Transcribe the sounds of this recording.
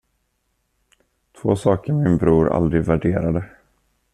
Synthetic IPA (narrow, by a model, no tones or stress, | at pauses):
t̪ʰvoːsɑːkəɾmɪnbɾuːɾa̰ld̪ɾɪɡ̪væɖeːɾad̪ə